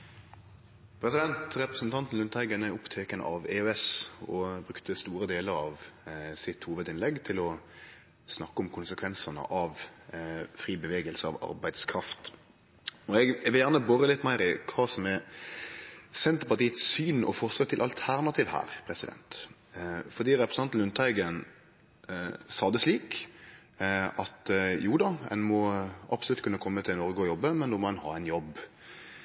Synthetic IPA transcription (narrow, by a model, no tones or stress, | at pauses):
pʰɾɛsɪd̪ɛnt̪ɾɛpɾəsn̩t̪ʰɑnt̪n̩lʉnt̪ʰæɪɡənəʊpt̪ʰeːkənə̰ʔɑʋeːøɛsɔbɾʉkt̪əst̪uːɾəd̪eːləɾɑʋsɪt̪huːʋəd̪ɪnlɛɡt̪ʰɪlɔ | snɑkːəʊmkʰʊnsəkʰʋɛnsɑnə̰ʔɑʋ | fɾiːbəʋeːɡəlsəɑ̰ʋɑ̰ɾbæɪd̪skʰɾɑft̪ | ɔɛɡʋɪljæʁnəbɔɾəlɪt̪ːmæɪɾɪkʰʋɑːsɔmɛ | sɛnt̪əpɑʁt̪iːət̪ssyːnɔ̰fɔʁsɑt̪ʰːɪlʔɑlt̪ʰæɾnɑt̪ʰiːʋhæ̰ːɾpʰɾɛsɪd̪ɛ̰nt̪ | fɔʁd̪iːɾɛpɾəsɑnt̪lʉnt̪ʰɑɪɡən | sɑːd̪əsliːk | ɑt̪juːd̪ɑɛ̰nmɔʔɑpsɔlʉt̪kʉnːəkʰɔmːət̪ʰɪlnɔɾɡəɔjɔbːəmɛnd̪oːmɔɛnhɑ̰ːɛɪnjɔb